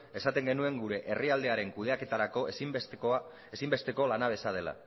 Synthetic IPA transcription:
e̞sat̪e̞ŋɡe̞nue̞ŋɡuɾe̞ʔe̞riald̪e̞aɾe̞ŋkuð̞e̞ake̞t̪aɾako̞s | esimbe̞st̪e̞ko̞lanaβ̞e̞sað̞e̞la̰

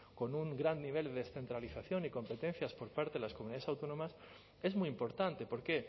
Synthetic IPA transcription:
ko̞nuŋɡɾanniβ̞e̞ld̪eesθe̞nt̪ɾaliθaθjo̞niko̞mpe̞t̪ẽn̟θjaspo̞ɾpaɾt̪e̞ðelaskomuniðaesawt̪o̞nõ̞mas | e̞zmujimpo̞ɾt̪ant̪e̞po̞ɾke̞

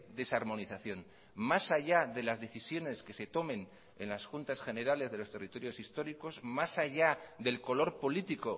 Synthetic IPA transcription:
ðe̞saɾmo̞niθaθjo̞n | masaʝaðe̞lazðe̞θisjo̞ne̞ske̞se̞t̪o̞mẽ̞n | enlasxunt̪asxe̞ne̞ɾale̞zðe̞lo̞st̪e̞rit̪o̞ɾjo̞sist̪o̞ɾiko̞zmasaʝaðe̞lko̞lo̞ɾpo̞lit̪iko̞

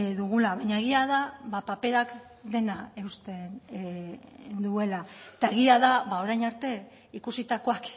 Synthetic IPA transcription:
ðuɣ̞ulaβaɲaeɣ̞iaðaβapape̞ɾak | d̪e̞nae̞ust̪en | nd̪ue̞laet̪aeɣ̞iaðaβao̞ɾajnaɾt̪e̞ | ikusit̪ako̞ak

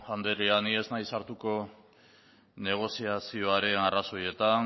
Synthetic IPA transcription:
and̪eɾianie̞znajsaɾt̪uko̞ | ne̞ɣ̞o̞siasio̞aɾe̞naraso̞je̞t̪an

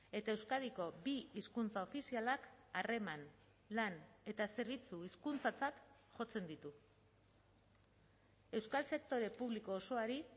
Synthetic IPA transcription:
e̞t̪ae̞wskaðiko̞biiskunt͡sao̞fisialakare̞man | lane̞t̪ase̞ɾβ̞it͡suiskunt͡sat͡sat̪ʝo̞t͡se̞nd̪it̪u | e̞wskalse̞k̚t̪o̞ɾe̞puβliko̞ːso̞aɾi

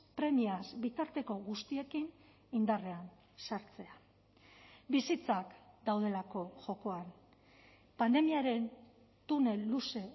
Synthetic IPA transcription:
pɾe̞miazbit̪aɾt̪e̞ko̞ɣust̪ie̞kin | ind̪are̞an | saɾt͡se̞a | bisit͡sakd̪awð̞e̞lako̞ʝo̞ko̞an | pand̪e̞miaɾe̞n | t̪une̞luse̞

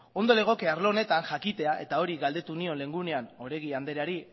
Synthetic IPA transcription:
o̞nd̪ole̞ɣ̞o̞keaɾlo̞ne̞t̪aŋʝakit̪e̞aʔe̞t̪ao̞ɾiɣald̪e̞t̪unio̞nle̞ŋɡune̞ano̞ɾe̞ɣiand̪e̞ɾaɾi

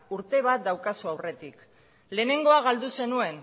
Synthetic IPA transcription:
uɾt̪e̞β̞at̪̚d̪awkasuawre̞t̪ik | le̞ːne̞ŋɡo̞aɣ̞ald̪use̞nue̞n

